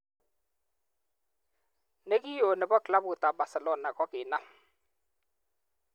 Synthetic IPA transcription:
ne˦ɡi˦jo˨nɪ˨bɔ˦kla˦bʊ˨ta˨ba˨sɛ˨lɔ˦na˨kɔ˦kɪ˨na˦˨m

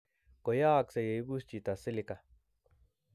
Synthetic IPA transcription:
ko˨jaː˦˨kse˨je˨jbu˦st͡ʃi˨t̪a˨sɪ˦li˦ka˨

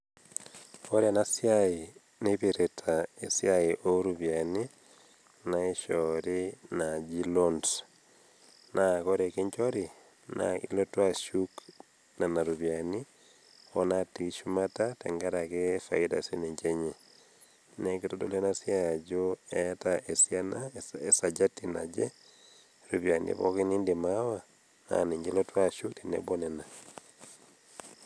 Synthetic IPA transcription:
o˦ɾja˨na˦sjai | nebe˨ɾetʰae˨sjaiʔo˦ɾuβjani | nae˦ʃɔɾinad͡ʒi˦lond | nakɔ˦ɾe˨ke˦ɲt͡ʃɔ˦ɾi˨ | na̰ḭlɔtwaʃuk | na˨na˨ɾuβjani˦ | ɔ˦nati˨ʃu˦ma˦ta˦tɛ̰ŋɡa˦ɾakefa˨ida˨si˦ne˨ɲt͡ʃe˦ɲe | ne˨ke˦to˦do̰˦˨le˦na˦sjad͡ʒoɛtaʔe˨sja˦nae˨sa˨d͡ʒa˦tina̰d͡ʒe˦ | ɾu˨βja˨nḭḛβɔ̰˦ke˦ni˦nde˨mawa˦ | na̰˨ni˨ɲɡe˦lɔ˦twa˦ʃu˦kte˨nḛbo˦nɛ˨na˨

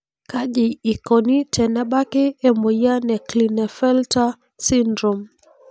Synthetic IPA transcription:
ka˦ʄi˨i˨kɔ˨ni˦tʰɛ˨nɛ˦ɓa˦ki˦ɛ˦mɔ˨ja˦nɛ˨klinɛ˨fɛ˦lta˦ | si˦ndɾɔ˨m

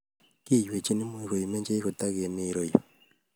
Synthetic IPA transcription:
ki˦˨jwe˨t͡ʃi˦ni˦mu˦i˨ko˨ji˨me˦ɲd͡ʒe˦ko˨ta˦ɡe˨mi˦˨˦ɾo˦˨jo˨

